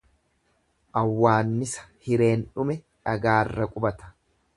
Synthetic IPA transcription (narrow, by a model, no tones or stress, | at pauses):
ʔɐwːaːnːɪsɐ̥hɪɾe̞ːnᶑʊmɛ | ᶑɐɡaːrːɐkʼʊbɐt̪ɐ̥